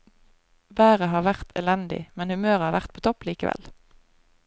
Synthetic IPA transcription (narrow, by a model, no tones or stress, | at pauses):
bæːʁəɦɑːʁʋæʁt̪ʰɛlɛnd̪ɪ̰mɛnhʉmøːʁhɑːʋæʁt̪pʰoːt̪ʰɔpliːkəʋʔɛ̰l